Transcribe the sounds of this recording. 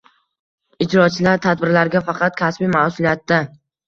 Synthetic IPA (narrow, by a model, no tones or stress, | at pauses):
ɪd͡ʒɾɒt͡ʃʰɪlaɾt̪ʰad̪bɪɾlaɾɡʲafɑqʰɑt̪̚kʲʰasbimasʊlijat̪ːa